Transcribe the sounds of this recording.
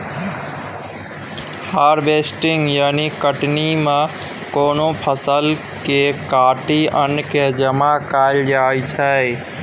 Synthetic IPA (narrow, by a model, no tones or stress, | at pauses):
haɾbesʈiŋɡjaːnikəʈnimẽ | koːnopʰəsəl | kekaːʈiənked͡ʒəmakaɪld͡ʒajt͡ʃʰə